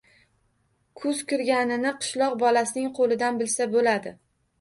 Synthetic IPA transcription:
kʰʊz̥kʰʊɾɡʲanɪnɪqʰɨ̥ʃlˠɒqbɒlasɪnɪŋqʰolɪd̪anbɪlsabolad̪ɪ

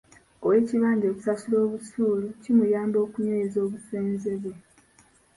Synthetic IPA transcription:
owe̞ːciβaːɲɟeːku̥sasulo̞ːβutuːlucimujaːmbo̞ːkuɲeezo̞ːβuseːnze̞βwe

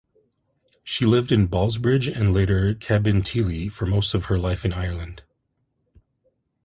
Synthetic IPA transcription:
ʃilɪvdɨ̃nbɑlˠzbɹɪd͡ʒɨ̃nleɪɾə˞kʰæbɨ̃ntʰilˠifə˞moʊstʌv̥ə˞laɪfɨ̃naɪə˞lˠɨ̃nd̥

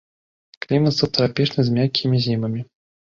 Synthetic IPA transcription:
klʲimət̪sɐt̪əɾapʲiʂnɨzʲmʲakʲʰːimʲizʲimɐmʲi

